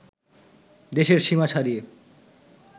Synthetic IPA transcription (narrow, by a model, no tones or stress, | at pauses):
d̪eʃeɾʃimat͡ɕʰaɾie